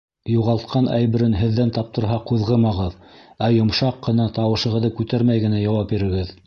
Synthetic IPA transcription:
juʁɑlˠt̪qʰɑnʔæ̰jbɘ̆ɾɘnɦɘ̆ðːænt̪ɑp̚t̪ɤ̆ɾɦɑquðʁɤmɑʁɤðæjŏmʃɑqːɤ̆nɑt̪ɑwɤ̆ʃɤ̆ʁɤ̆ðɤkʉt̪æɾmæjɡɘ̆næjɑwɑp̚biɾɘ̆ɡɘð

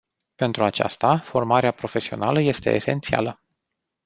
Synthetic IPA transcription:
pe̞nt̪ɾuat͡ʃa̰st̪afo̞rmaɾeapɾo̞fe̞sio̞̰naləje̞st̪e̞̰ese̞̰nt̪sia̰lə

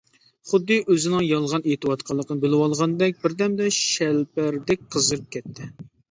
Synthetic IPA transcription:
χʊd̪ːɨʔøzɪnɪŋjɑlˠʁɑnet̪ɨwɑt̪qʰɑlˠːəqnɨbɪlɪwɑlˠʁɑnd̪ɛk̚ʲbɪɾd̪ɛmd̪ɛʃɛlpæɾd̪ɛk̚ʲqʰəzɨɾɨp̚kʲʰɛt̪ʰːɪ

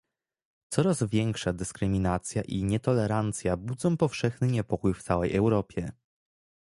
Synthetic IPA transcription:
t̪sɔɾazvʲjɛŋkʂad̪ɘskɾɘmʲinat̪sʲjaʔiɲɛt̪ɔlɛɾant̪sʲjabud̪zɔ̃w̃pɔfʂɛxnɘɲɛpɔkujft̪sawɛjʔɛwɾɔpʲjɛ

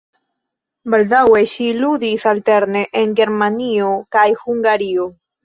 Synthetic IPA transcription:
belðaweʃiluðiθalt̪eɾneʔeŋɡeɾmãniokajxuŋɡaɾio

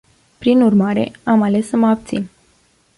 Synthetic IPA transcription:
pɾinurmaɾe̞̰amale̞sːəməab̚t̪sin

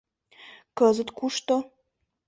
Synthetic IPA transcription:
kəzə̆t̪kuʃt̪o

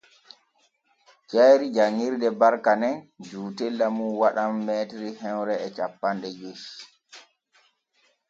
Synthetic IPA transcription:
t͡ʃajɾid͡ʒaŋːiɾdɛbaɾkanɛnd͡ʒuːtɛlːamuwaɗamːɛtɾihɛwɾɛːt͡ʃapːanɗɛd͡ʒoʃi̥

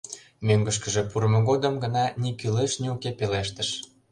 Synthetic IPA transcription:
møŋɡə̆ʃ̬kə̆ʒepuɾəmoɣod̪ə̆mɡə̆nɑnikyleʃniukepeleʃt̪ə̆ʃ

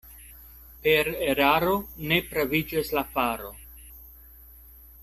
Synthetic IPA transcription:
pe̞ɾeɾaɾo̞ne̞tɾavid͡ʒaslafaɾo̞

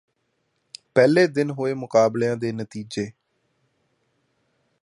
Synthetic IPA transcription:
pɛːleːd̪ɪnɦoːeːmʊkaːblejãːd̪eːnət̪iːd͡ʒeː

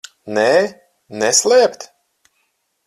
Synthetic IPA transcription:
nɛː | nɛslʲˠɛpt̪

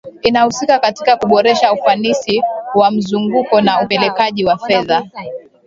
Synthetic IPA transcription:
inahusikakati̥kakuɓɔɾɛʃaufanisiwam̩zuŋɡukɔnaupɛlɛkaʄiwafɛða

